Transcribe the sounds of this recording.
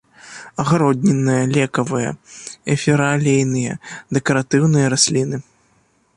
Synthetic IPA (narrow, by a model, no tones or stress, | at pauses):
ɐɣaɾɔd̪ʲnʲɛnːɨjɐlʲɛkɐvɨjɐ̰ɛfʲiɾalʲejnɨjɐd̪ɛkɐɾat̪ɨwnɨjɐɾasʲlʲinɨ